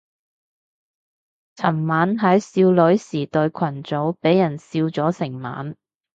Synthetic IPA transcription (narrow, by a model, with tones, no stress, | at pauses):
t͡sʰɐ˨˩mmaː˨˥nɦɐ˨˥jsiː˧wlɵ˨˥ɥsiː˨˩t̪ɵ˧ɥkʷʰɐ˨˩nt͡so˨˥wpe˨˥jːɐ˨˩nsiː˧wt͡sɔː˨˥sɪ˨˩ŋma̰ː˨˥n